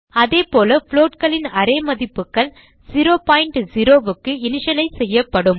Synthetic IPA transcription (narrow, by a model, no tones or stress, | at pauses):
ɐðeːpoːlɐfloːʈ̚kɐɭɪnɐɾeːmɐðɪpːɯkːɐl | siɾoːpaːjɪɳʈziɾoːʋɯkːɯɪnɪʂɐlɐɪsɛjːɐpːɐɽɯm